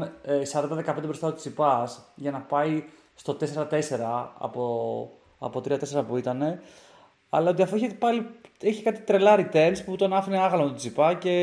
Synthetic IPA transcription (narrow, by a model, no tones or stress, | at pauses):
sɐɾɐnd̪ɐðekɐpend̪ebɾo̞st̪ɐot̪i̥t͡sipɐsʝɐnɐpɐi | st̪o̞t̪e̞seɾɐt̪e̞se̞ɾɐɐ̰po | ɐ̰po̞t̪ɾiɐt̪e̞se̞ɾɐpuit̪ɐne̞ | ɐ̰lɐo̞t̪iɐfoeçpɐlieçikɐt̪i̥t̪ɾe̞lɐɾit̪e̞nsput̪o̞nɐfineɐɣɐlomeot̪t͡sipɐce̞